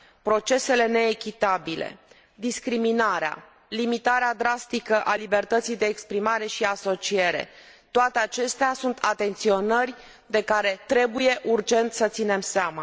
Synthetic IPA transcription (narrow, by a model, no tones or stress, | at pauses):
pɾo̞t͡ʃe̞se̞le̞ne̞ːkʲit̪abilḛ | d̪iskɾiminaɾea̰ | limit̪aɾead̪ɾast̪ikəʔalibe̞rt̪ət̪sijd̪e̞ːkspɾimaɾe̞ʃiaso̞t͡ʃie̞ɾe̞̰ | t̪oat̪e̞at͡ʃe̞st̪easunt̪ʰat̪e̞nt̪sio̞nərʲ | d̪e̞kaɾe̞t̪ɾe̞buje̞ʔurd͡ʒe̞nt̪sət̪sine̞mseamə